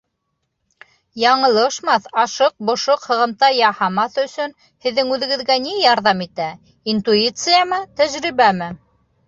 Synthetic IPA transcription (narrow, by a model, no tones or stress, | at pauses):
jɑɴɤ̆lˠɤʃmɑθɑʃɤq̚bŏʃoqhɤ̆ʁɤ̆mt̪ɑjɑhɑmɑθɵ̆sɵn | hɘ̆ðːɘŋʉðɘ̆ɡɘ̆ðɡænijɑɾðɑmit̪æ | int̪uit̪sɨjəmɤt̪æʒɾiβæmɘ